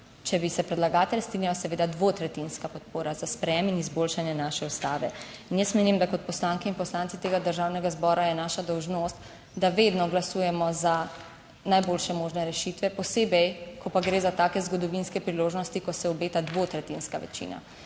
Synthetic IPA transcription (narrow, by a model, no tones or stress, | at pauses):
t͡ʃɛbisɛpɾɛd̪laɡaːt̪ɛlʲst̪ɾinʲjalasɛʋeːd̪ad̪ʋot̪ɾɛt̪inskapɔt̪̚poːɾazaspɾɛjɛminizbolʃanjɛnaʃɛust̪aːʋɛ | injəsmeːnimd̪akɔt̪̚pɔslaːŋkɛinpɔslaːnt̪it̪eːɡad̪əɾʒawnɛɡazbɔːɾajɛnaːʃad̪ɔwʒnost̪ | d̪aʋed̪nɔɡlasuːjɛmɔza | najbolʃɛmoːʒnɛɾɛʃit̪ʋɛpɔseːbɛjkɔpaɡɾeːzat̪aːkɛzɡɔd̪ɔʋinskɛpɾiloːʒnɔst̪ikɔsɛɔbeːt̪ad̪ʋot̪ɾɛt̪inskaʋɛ̰t͡ʃḭːna̰